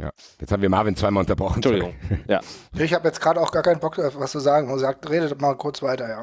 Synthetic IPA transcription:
ja̰ː | jɛt͡sʰaːbm̩viɐmaɐvɪnt͡svaɪmaːlʊntɐbʁɔχn̩ʊʊŋja̰jaːɪçhaːbəjɛt͡sɡ̥ʁaːɾəaʊxɡ̥aːɐkʰaɪnbɔk̚d̥aʊfvasd̥uːzaːɡŋ̩zaːk̚tʁeːdədmaːlkʰʊɐt͡sv̥aɪtɐjaː

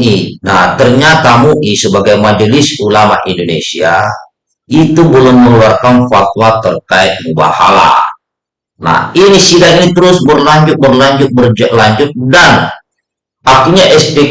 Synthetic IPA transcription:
inaht̪ərɲat̪amuʔisəbaɡajmad͡ʒlɪsulama̰ʔindonḛsia | it̪ubəlʊŋməluarkanfat̪wat̪ərkaɪt̪̚məba̰ha̰la̰ | na̰hinisidakinit̪əɾʊsbərlaɲd͡ʒʊt̪̚bərlaɲd͡ʒʊt̪̚bərd͡ʒlaɲd͡ʒʊt̪̚dan | ak̚t̪iɲaʔɛspɛ

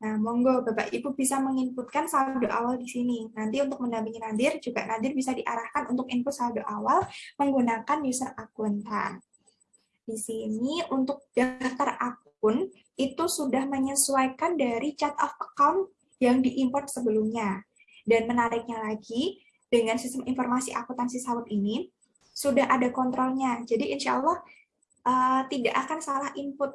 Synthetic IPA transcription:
nahmɔŋɡobapa̰ʔipubisaməŋimput̪̚kansadoʔa̰waldisininant̪iunt̪ʊk̚məndampiŋinadɪrd͡ʒuɡaʔnad̪ɪrbisadiʔaɾahkanunt̪ʊkinpʊt̪̚saadoʔawalməŋɡunakanjusərakʊnt̪a̰n | d̥isiniunt̪ʊk̚d̥at̪arak | ʊn | it̪usudahməɲəsuajkandaɾit͡ʃat̪̚ɔfəkawnt̪̚ | jaŋdiʔimpɔrt̪̚səbəlumɲa | danmənaɾɪk̚ɲalaɡi | d̥əŋansist̪əminfɔrmasiʔa̰kut̪ansisawʊt̪ini | sudaɦʔadakɔnt̪ɾɔlɲad͡ʒadiʔinʃa̰ʔalːɑh | ʔət̪idaʔakansalahimpʊt̪̚

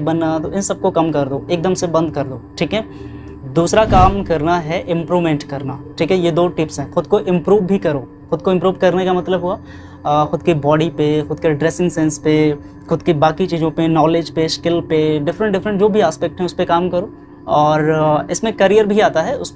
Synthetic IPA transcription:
bɐnːat̪oɪ̃nsɐb̚kokɐmkɐɾd̪oːeːk̚d̪ɐmsebɐ̃nd̪̚kɐɾd̪oːʈʰiːkɦɛː | d̪uːsɾakaːmkɐɾnaɦɛʔɪ̃mpɾuːʋmẽːɳʈkɐɾnaːʈʰiːkɦɛjed̪oːʈɪpsɦɛ̃xʊd̪̚koʔɪ̃mpɾuːʋbʱikɐɾoː | xʊd̪̚koɪ̃mpɾuːʋkɐɾnekamɐt̪ləbɦua | xʊd̪kibɔːɖipexʊd̪̚keɖɾeːsɪ̃ŋsɛ̃nspe | xʊd̪kibaːkit͡ʃiːzõpenɔːled͡ʒpeʃkɪlpeɖɪfɾə̃ɳʈɖɪfɾə̃ɳʈd͡ʒoːbʱiaːspɛk̚ʈɦɛ̃ʊspekaːmkɐɾoː | ɔːɾɪsmẽkɐɾijəɾbʱiaːt̪aɦɛʊs

